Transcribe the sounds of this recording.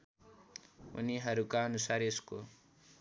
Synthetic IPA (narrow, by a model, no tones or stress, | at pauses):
ṵniɦʌɾukaʌnusaɾesko